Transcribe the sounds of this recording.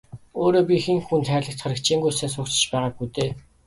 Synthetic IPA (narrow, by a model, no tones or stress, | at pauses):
oːɾoːpʲixĭŋxunt̪χæːɮə̆kt̪χœɾə̆kt͡ɕʰiːŋɡujsæːsʊːkt͡ɕɪ̥̆t͡ɕpæːʁaːk̚ɡujt̪eː